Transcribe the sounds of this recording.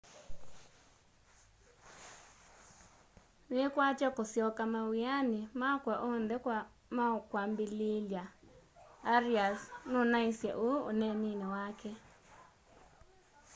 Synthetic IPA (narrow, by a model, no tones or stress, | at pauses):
nɪkwat͡ʃɔkʊsjɔkamawianɪmakwaʔond̪ɛk | makwambilɪljaː | ɾiasnʊnaisja̰ʔo̰ːnɛninewakʰɛ